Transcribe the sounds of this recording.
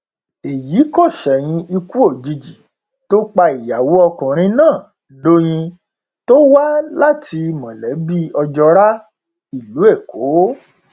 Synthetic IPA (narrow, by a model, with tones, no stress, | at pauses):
e˨ji˨˦ko˦˨ʃɛ˨j̃ĩ˧ʔi˧ku˦o˦˨d͡ʒi˧d͡ʒi˨ | to˦k͡pa˧i˨ja˨wo˨˦ɔ˧kũ˨ɾ̃ĩ˧nãː˦˨ | lo˦j̃ĩ˧ | to˦wa˦la˦˨tʰi˧mã˨lɛ˨˦bi˦ɔ˧d͡ʒɔ˧ɾa˦ | i˦˨lu˨˦e˦˨ko˨˦